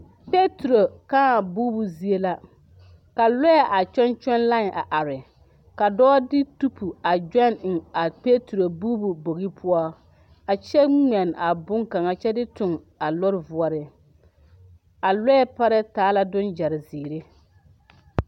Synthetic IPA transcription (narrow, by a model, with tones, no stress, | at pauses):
pe˦tu˨ɾo˨kaː˦a˨buː˦bu˨zi˦e˦la˦ | ka˨lɔ˦ɛ˨ʔa˨t͡ʃɛ˦nt͡ʃɛ˦nla˦˨ʔa̰˨ʔa˨ɾɪ˨ | ka˨dɔː˦dɪ˦tu˦pʰu˨a˨d͡ʒa˦˨nɪ˨ŋa˨pe˦tu˨ɾo˨buː˦bu˨bo˨ɣi˦pʰʊ˦ɔ˦ | a˨t͡ʃɛ˦ŋ͡mɛ˨na˨bʊ˦ŋka˨ŋa˨t͡ʃɛ˦dɪ˦tʊ˨ŋ | a˨lɔ˦ɾɪ˨vʊ˨ɔ˨ɾɪ˨ | a˨lɔ˦ɛ˦pa˦ɾɛ˦taː˨˦la˦dʊ˦nd͡ʒa˨ɾɪ˨ziː˨ɾe˦